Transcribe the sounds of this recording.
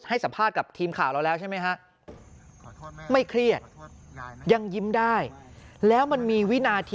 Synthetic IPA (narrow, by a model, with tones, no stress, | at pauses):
ha˥˩jsa˩˦mpʰaː˥˩t̪̚ka˨˩p̚t̪ʰiː˧mkʰa̰ː˨˩wɾa˧wlɛː˦˥wt͡ɕʰa˥˩ma˦˥jkʰa˦˥ʔ | ma˥˩jkʰɾi˥˩ət̪̚ | ja˧ŋji˦˥mdaː˥˩jlɛː˦˥wma˧nmiː˧wi˦˥naː˧t̪ʰː